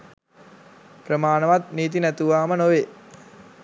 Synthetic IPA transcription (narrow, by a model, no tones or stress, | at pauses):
prəmaːnəʋat̪̚niːt̪̬inæt̪uʋaːmənoʋe